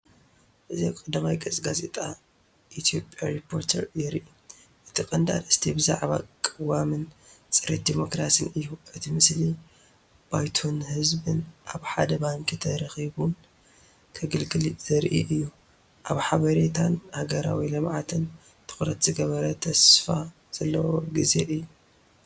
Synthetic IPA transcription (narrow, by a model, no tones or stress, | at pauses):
ʔɨziakʼɨd̪amajkʼɐt͡sʼɡazḛt̪ʼa | ʔit̪ʰijo̞pʼjaɾipʰːo̞ɾt̪ʰɐɾjɪɾʔi | ʔɨt̪ʰikʼɐnd̪a̰d̪ɨst̪ʰibɨza̰ʕβa̰kʼɨwamɨnt͡sʼɨɾit̪̚d̪imo̞kɾasɨnɨjːuʔɨt̪ʰimɨsli | b̥ajt̪ʰonhɨzbɨnʔaβħad̪ɐbaŋkʼɨt̪ʰɐɾɐxiβun | t̪ʰɐɡɨlɡɨliz̥ɐɾʔḭʔɨjːu | ʔaβħaβɐɾet̪ʰanhaɡɐɾa̰wilɐmʕat̪ʰɨn | t̪ʰɨ̥xɾɐt̪z̥ɨɡɐβɐɾɐt̪ʰɐsfa | z̥ɐlːɐwoɡize̞ʔɨjːu